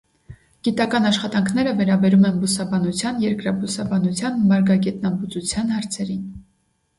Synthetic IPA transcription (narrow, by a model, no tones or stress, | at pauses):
ɡ̥it̪ɑkɑnɑʃχɑt̪ɑŋkʰn̪ɛɾəvɛɾɑbɛɾumɛnbusɑbɑnut͡sʰjɑnjɛɾkɾɑbusɑbɑnut͡sʰjɑnmɑɾɡɑɡɛt̪nɑmbut͡sut͡sʰjɑn̪hɑɾt͡sʰɛɾin